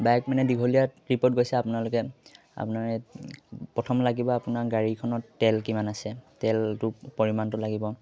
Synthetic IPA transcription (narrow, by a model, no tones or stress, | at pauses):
bajk̚manɛdiɡʱolijatɹipɔt̚ɡojsɛapʊnalʊkɛ | a̰punaɹɛ | pɹɔtʰɔmlaɡibɔapunaɡaɹikʰɔnɔtɛlkimanasɛtɛltʊpɔɹimantʊlaɡibɔ